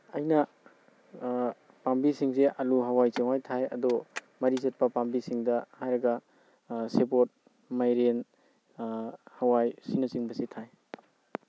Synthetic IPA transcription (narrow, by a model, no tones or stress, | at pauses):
ɐjnɐ | pambisiŋseʔɐluɦawajt͡ʃiŋwajtʰajɐ̰dɔ | mɐɾizɐt̚pɐpambisiŋdɐhajɾɐɡɐ | sepot̚ | majɾen | hɐwajsinɐt͡ʃiŋbɐsitʰaj